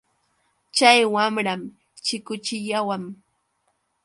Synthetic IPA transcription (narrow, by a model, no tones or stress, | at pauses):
t͡ʃajwamɾam | t͡ʃɪkʊt͡ʃɪʎawam